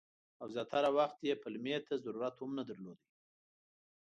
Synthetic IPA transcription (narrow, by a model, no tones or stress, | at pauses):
awzjɑt̪aɾawaxt̪jepəlmet̪azaɾuɾat̪hʊmnad̪əɾlod̪i